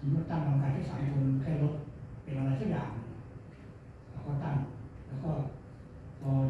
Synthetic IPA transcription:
sʰa˨˦mu˦˥˩t̪a˥˩ka˧ŋk̬aː˧nt̪ʰːsaː˩˦mkʰo˧n˧kʰaː˥˩jlo˦˥t̪̚pe˧nʔa˧ɾa˧jsaː˥k̚ja̰ː˨˩ŋ | lɛː˧˦˥kɔː˥˩t̪a˥˩mlɛː˦˥wkɔː˥˩ | kɔː˧

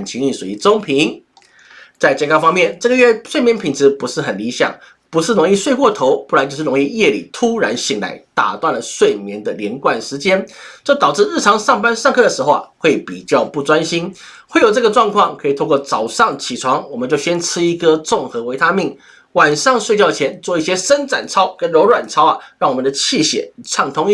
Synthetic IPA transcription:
ə˨˩nt͡ɕʰi˧˥ŋi˥˩ʂu˨˩i˧˥t͡so˥ŋpʰi˧˥ŋ | t͡sa˥˧ɪt͡ɕjɛ˥˩ŋkʰa˥fɑ˥ŋmjɛ˥˨nʈ͡ʂɤ˥˩ɡə˩ɥɛ˥˧swe˥˩ɪmjɛ˧˥npʰi˨˩nʈ͡ʂɻ̩˧˥pu˧˥ʂɻ̩˥˩xə˨˩nli˧˥ɕjɑ̰˨˩˦ŋ | pu˧˥ʂɻ̩˥˩ɻo˧˥ŋi˥˧ʂwe˥˧ɪkwɔ˥˩t̪ʰo˧˥ʊpu˥˩la˧˥nt͡ɕjo˥˧ʂ̩˥˨˩o˧˥ŋi˥˧jɛ˥˧lḭ˨˩t̪ʰu˥ɻa̰˧˥nɕi˨˩ŋla̰˧˥ɪt̪a̰˨˩t̪wa˥˩nlə˩ʂwe˥˩ɪmjɛ˧˥nd̪ə˨ljɛ˧˥nkwa˥˩nʂɻ̩˧˥t͡ɕjɛ˥nt͡ɕo˥˩ʊt̪ɑ˨˩ʊʈ͡ʂɻ̩˥˧ɻ̩˥˩ʈ͡ʂʰɑ˧˥ŋʂɑ˥˩ŋpa˥nʂɑ˥˧ŋkʰɤ˥˩d̪ə˩ʂɻ̩˧˥xo˧ʊxwe˥˩ɪpḭ˨˩t͡ɕjɑ˥˧ʊpu˥˩t͡swa˥nɕi˥n | xwe˥˩ɪjo˨˩ʊɤ˥˩ɡə˩ʈ͡ʂwɑ˥˧ŋkʰwɑ˥˩ŋkʰɤ˧˥i˨˩t̪ʰo˥˧kwɔ˥˩t͡sɑ˨˩ʊʂɑ˥˩ŋt͡ɕʰi˨˩ʈ͡ʂʰwɑ˧˥ŋwɔ˨˩mə˦nt͡ɕjo˥˧ʊɕjɛ˥nʈ͡ʂʰɻ̩˥i˧˥ɡə˨t͡sʊ˥˩ŋxɤ˧˥we˧˥ɪt̪ʰa˥mi˥˩ŋ | wa˨˩nʂɑ˥˧ŋʂwe˥˧ɪt͡ɕjɑ˥˩ʊt͡ɕʰjɛ˧˥nt͡swɔ˥˧i˥˩ɕjɛ˥ʂə˥nt͡sa̰˨˩nt͡sʰɑ˥ʊkə˥nɻo˧˥ʊlwa˨˩nt͡sʰɑ˥ʊɐ˨ɻɑ˥˩ŋwɔ˨˩mə˧˦nd̪ə˧t͡ɕʰi˥˩ɕjɛ̰˨˩˦t͡sʰɑ˥˩ŋt̪ʰʊ˥ŋi˥

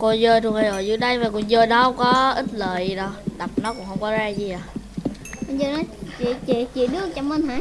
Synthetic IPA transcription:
ko˧zəː˧jt̪ʰu˧əŋhaː˧zo˨˩jzɨ̰˨˦ɗə˨˦jmaː˨˩kʊ̰˧˩nzəː˧jnɔ˨˦hə˨˦wŋ͡mkɔ˨˦ʔi˦˥t̚ləː˨jɗɔ˧˩ɗa˨˩p̚nɔ˨˦kʊ̰˧˥˨ŋ͡mhə˧wŋ͡mkɔ˨˦zaː˧zi˨˩ʔaː˨˩ | kɔ˧˦nzəː˧jnɔ˨˦t͡ɕi˧˨t͡ɕi˧˨t͡ɕi˧˨ɗɨ˨˧˦ək̚t͡ɕɔ˧˦wmə˧˩nɦaː˧˦

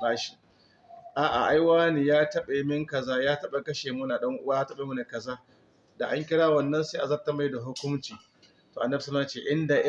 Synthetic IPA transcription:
ɾaː˦ʃi̥˨ | ʔaː˨ʔa̰˨ʔa˦jwaː˦niː˨jaː˦tɐ˦ɓe˨mɪ˦ŋkɐ˨zaː˦jaː˦tɐ˦ɓa˨kɐ˦ʃeː˨mʊ˦naː˨ɗɐ˦ŋʔʊ˦waː˦jaː˦tɐ˦ɓeː˨mu˦na˨kɐ˨zaː˦ | da˨ʔa˦ŋkʲɪ˦ɽaː˦wɐ˨nːɐ˦nsa˦ʔa˨zɐ˦rta˦˨ma˦jda˨ɦʊ˦kʷʊ˦mt͡ʃiː˨ | toː˨ʔa˨nːɐ˦bsa˦lt͡ʃeː˦ʔɪ˦nda˨ʔ

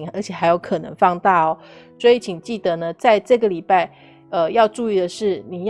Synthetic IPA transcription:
ŋə̰˞˧˥t͡ɕʰjɛ˨˩xa˧˥ɪjo˧˥ʊkʰɤ˨˩nɤ̰˧˥ŋfɑ˥˧ŋt̪a˥˩ɔ˩ | swɔ˧˥i˨˥t͡ɕʰi˨˩ŋt͡ɕi˥˩d̪ə˨˩nə˨t͡sa˥˧ɪʈ͡ʂɤ˥˩ɡə˨li˨˩pa˥˩ɪ | ə˧jɑ˥˧ʊʈ͡ʂu˥˧i˥˩d̪ə˩ʂɻ̩˥˩ni˨˩j

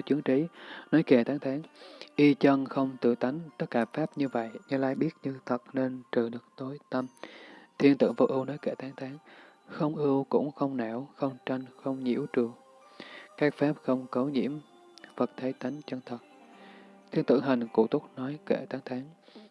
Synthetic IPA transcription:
t͡ɕɨ˨˦əŋt͡ɕi˨˦nɔ˨˦jke˧˩t̪ʰaː˨˦ŋt̪ʰaː˨˦ŋʔi˧t͡ɕə˧nxə˧wŋ͡mt̪ɨ̰˧˩t̪a˨˦jŋ̟t̪ə˦˥t̚kaː˧˩faː˦˥p̚ɲɨ˧və̰˧˨jɲɨ˧laː˧jɓi˦˥ət̚ɲɨ˧t̪ʰə˨˩t̚ne˧nt͡ɕɨ˧˩ɗɨ˨˩ək̚t̪o˨˦jt̪ə˧mt̪ʰi˧ənt̪ɨ̰˧˨ŋvə̰˨˩ʔ̚ɨ˧wnɔ˨˦jke˧˩t̪ʰaː˨˦ŋt̪ʰaː˨˦ŋxə˧wŋ͡mʔɨ˧əwkʊ̰˧˥ŋ͡mxə˧wŋ͡mnɛ˧˩wxə˧wŋ͡mt͡ɕə˧nxə˧wŋ͡mɲḭ˧˥wt͡ɕɨ˨˩əŋ̚ | kaː˦˥k̚faː˦˥p̚xə˧wŋ͡mkə˨˦wɲḭ˧˥əm | və˨˩t̚t̪ʰə˨˦jt̪a˨˦jŋ̟t͡ɕə˧nt̪ʰə˨˩t̚ | t̪ʰi˧ənt̪ɨ̰˧˩ŋɦï˨˩ŋ̟ku˧˩t̪ʊ˦˥k͡p̚nɔ˨˦jke˧˩t̪ʰaː˨˦ŋt̪ʰaː˨˦ŋ

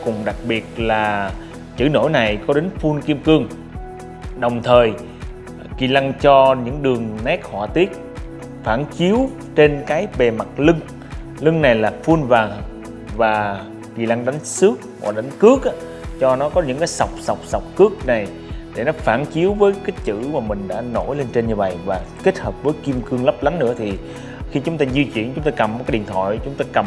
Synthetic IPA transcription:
kʊ˨˩ŋ͡mɗa˨˩k̚ɓi˨˩ət̚laː˨˩ | t͡ɕɨ̰˧˩no̰˧˥˦jna˨˩jkɔ˨˦ɗe˨˦nfu˧nki˧əmkɨ˧əŋ | ɗə˨˩wŋ͡mt̪ʰəː˨˩j | ki˨˩la˧ŋt͡ɕɔ˧ɲɨ̰˧˥ŋɗɨ˨˩əŋnɛ˦˥k̚hɔ̰ː˧˨˩t̪i˦˥ət̚ | faː˧˩nt͡ɕi˨˦əw | t͡ɕe˧nkaː˨˦jɓe˨˩ma˨˩t̚lɨ˧ŋ | lɨ˧ŋna˨˩jlaː˨˩fu˧nvaː˨˩ŋ | vaː˨˩ | ɣi˨˩laː˧ŋɗa˨˦jŋ̟sɨ˦˥ək̚hɔ̰ː˧˨˧ɗa˨˦ŋkɨ˦˥ək̚ʔaː˧˦ | t͡ɕɔ˧nɔ˨˦kɔ˨˦ɲɨ̰˧˥ŋkaː˨˦jsa˨˩wk͡p̚sa˨˩wk͡p̚sa˨˩wk͡p̚kɨ˦˥ək̚na˨˩j | ɗe˧˩nɔ˨˦faː˧˩nt͡ɕi˨˦əwvəː˨˦jka˦˥t̚t͡ɕɨ̰˧˥maː˨˩mï˨˩ŋ̟ɗa̰ː˧˥no˧˩jle˧nt͡ɕe˧nɲɨ˧və̰˧˨jvaː˨˩ke˦˥t̚həː˨˩p̚vəː˨˦jki˧mkɨ˧əŋlə˦˥p̚la˨˦ŋnɨ̰˧˥ət̪ʰi˨˩ | xi˧t͡ɕʊ˨˦ŋ͡mt̪aː˧zi˧t͡ɕwḭ˧˨ənt͡ɕʊ˨˦ŋ͡mt̪aː˧jkə˨˩m˨˩kaː˨˦jɗḭ˧˨ənt̪ʰwa̰ː˧˨jt͡ɕʊ˨˦ŋ͡mt̪aː˧jkə˨˩m

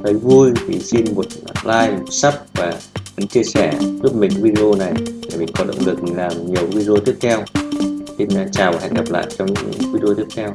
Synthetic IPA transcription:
t̪ə˨˦jvu˧jt̪ʰi˨˩si˧nmo˨˩t̚a˧laː˧jmo˨˩t̚sa˦˥p̚vaː˨˩və˨˦nt͡ɕi˧əsɛ˧˩lu˦˥p̚mi̟˨˩ɨ˨˦vi˧ɗe˧ʔo˧na˨˩jla˨˩mi˨˩ŋ̟kɔ˨˦nɗə̰˧˨ŋ͡mlɨ˨˩k̚mi˨˩ŋlaː˨˩mɲi˨˩əwvi˧ɗe˧o˧t̪ʰi˦˥ək̚t̪ʰɛ˧wsi˧n˧t͡ɕaː˨˩wvaː˨˩ha̰˧˨jŋ̟ɡa˨˩p̚la̰ː˧˨jt͡ɕɔ˧ŋ͡mɲɨ̰˧˥˧ŋvi˧ɗe˧o˧t̪ʰi˦˥ək̚t̪ʰɛ˧w

